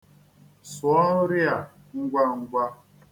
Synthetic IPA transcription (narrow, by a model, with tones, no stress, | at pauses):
sʊ˨˦ɔ˦n̩˦ɾɪ˦a˨ | ŋ̩˦ɡʷa˦ŋ̩˦ɡʷa˦